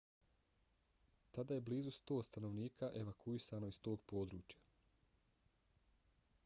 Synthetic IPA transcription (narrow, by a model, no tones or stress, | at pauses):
t̪ad̪aːje̞bliːzust̪o̞ːst̪anoʋniːkʰaʔe̞ʋakʰuisano̞ist̪o̞ːɡpo̞ːd̪ɾṵːt͡ɕja